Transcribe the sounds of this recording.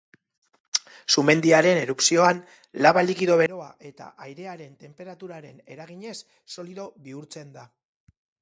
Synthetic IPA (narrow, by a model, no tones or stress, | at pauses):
sume̞nd̪iaɾe̞ne̞ɾupsio̞an | laβalikiðo̞βe̞ɾo̞aʔe̞t̪a̰ʔajɾe̞aɾe̞nt̪e̞mpe̞ɾat̪uɾaɾe̞ne̞ɾaɣ̞iɲe̞sː | o̞liðo̞βiuɾt͡se̞nd̪a